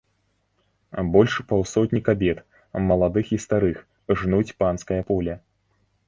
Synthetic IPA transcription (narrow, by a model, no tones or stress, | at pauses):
bɔlʲʂpawsɔtʲnʲikabʲɛt̪ | mɐlˠad̪ɨxist̪aɾɨx | ʐnut͡sʲpanskɐjɐpɔlʲɐ